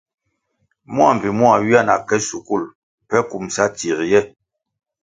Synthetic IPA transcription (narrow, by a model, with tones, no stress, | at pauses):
mwa˨m˨bi˨mwa˨ɥi˦a˦˨na̰˨kɛ˦su˨ku˦˨l | pɛ˦ku˨msa˦ti˨ɾjɛ˦